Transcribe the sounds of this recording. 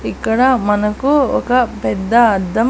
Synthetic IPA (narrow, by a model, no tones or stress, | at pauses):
ikːɐɽɐmɐnɐkːuɔ̰kɐpɛd̪ːɐːd̪ːɐ